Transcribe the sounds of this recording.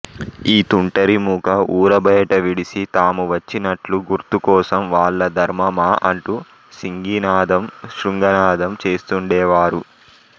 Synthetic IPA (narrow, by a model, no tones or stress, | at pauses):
iːt̪uɳʈɐɾimuːkɐuːɾɐbɐjɐʈɐʋiɽisit̪aːmuʋɐt͡ʃːinɐʈluɡuɾt̪ukɔːsɐmʋaːɭːɐd̪ʱɐɾmɐmaːʔɐɳʈu | siŋɡinaːd̪ɐmʃɾuŋɡɐnaːd̪ɐmt͡ʃe̞ːst̪uɳɖɛːʋaːɾu